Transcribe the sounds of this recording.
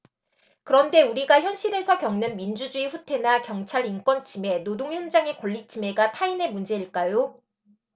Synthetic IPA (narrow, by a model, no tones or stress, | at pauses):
kɯɾʌnde̞uɾiɡaçjʌnɕ͈ʰiɾe̞sʰʌkjʌŋnɯnmind͡ʑud͡ʑuiɸutʰe̞nakjʌŋt͡ɕʰaɾink͈wʌnt͡ɕime̞nodoŋçjʌnd͡ʑaŋe̞kʌʎːit͡ɕʰime̞ɡatʰaine̞mund͡ʑe̞iɭk͈ajo